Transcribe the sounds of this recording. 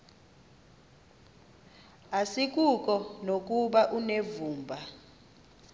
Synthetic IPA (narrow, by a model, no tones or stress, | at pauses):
asik̬ʼukʼɔnok̬ʼuɓaʔunevuːmbʱa